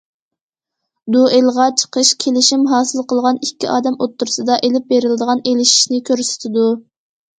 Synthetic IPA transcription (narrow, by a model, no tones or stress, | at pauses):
d̪uʔelʁɑt͡ʃʰə̥qʰəʃkʲʰelɪʃimɦɑːsɨlˠqʰəlˠʁɑnikʲʰːiʔɑːd̪ɛmot̪ʰːuɾɨsɨd̪ɑʔelɪp̚beɾɪlɪd̪əʁɑnelɪʃi̥ʃnɪkʲʰøɾsɪ̥t̪ʰɪd̪u